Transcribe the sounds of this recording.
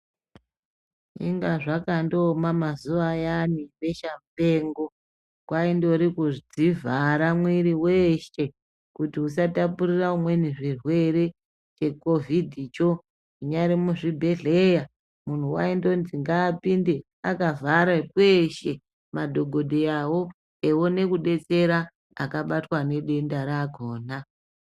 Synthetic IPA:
ḭŋɡaʐakandomamazuʋajaniʋe̞ʃampe̞ːŋɡo̞ | kwaindo̞ɾikuʐid͡zivaɾamwiɾiweʃe̞ | kutius̬atapuɾiraumwe̞niʐirwe̞ɾe̞ | t͡ʃe̞ko̞vʱidʱit͡ʃo̞ | iɲaɾimuʐibʱe̞ɮe̞ja | mun̤uwa̰indo̞nziŋɡaːpinde̞ | akavaɾakweʃe̞ | madʱo̞ɡʱo̞dʱeawo̞ | ewo̞ne̞kuɗe̞t͡se̞ɾa | a̰kaɓatwane̞ɗe̞ndaɾaɡʱoːna

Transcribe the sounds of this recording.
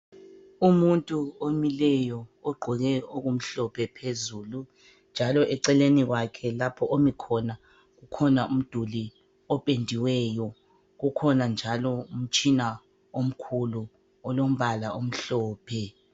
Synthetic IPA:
umuntʼuomilɛjɔɔɡ͡ǃʱɔɣɛoɣum̩ɬɔpʰɛpʰezuːlu | nd͡ʒʱalɔʔɛǀɛleniɣwakʰɛlapʰɔʔomikʰɔna | ɣukʰɔnaum̩d̥ʱuli | ɔpʼendʱiwɛjɔ | ɣukʰɔnand͡ʒʱalɔum̩t͡ʃʼina | om̩kʰulu | ɔlom̩βalaʔom̩ɬɔːpʰɛ

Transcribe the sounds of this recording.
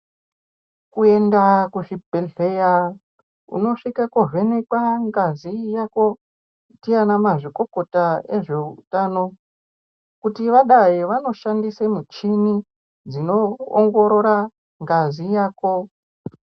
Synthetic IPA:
kue̞ndakuʐibʱeɮe̞ja | ṵno̞ʂikakoʐenikwaŋɡazijako̞ | itianamaʐiko̞ko̞taeʐe̞utaːno̞ | kutiʋaɗajiʋano̞ʃandisemut͡ʃini | d͡zino̞̰ːŋɡo̞ɾo̞ɾa | ŋɡazijaːko̞

